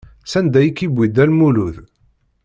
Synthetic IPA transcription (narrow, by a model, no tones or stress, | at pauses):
sænd̪æjikːibʷːid̪ælmuluð